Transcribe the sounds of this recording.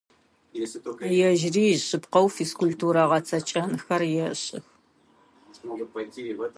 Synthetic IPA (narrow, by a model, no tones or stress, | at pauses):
jɛʒriːɕɨpqɐwfiskʷultʰuːɾɐʁɐt͡sʰɐt͡ʃʼɐnxɐrjɛɕʼɪx